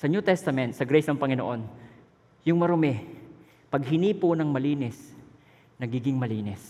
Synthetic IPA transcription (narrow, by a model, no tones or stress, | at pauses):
sɐnut̪ɛst̪ɐmɛnt̪sɐɡɾɛjsnɐŋpɐŋɪno̰ʔo̞n | jʊŋmɐɾʊmɛ | pɐɡ̚hɪniːponɐŋmɐliːnɪs | nɐɡiːɡɪŋmɐliːnɛs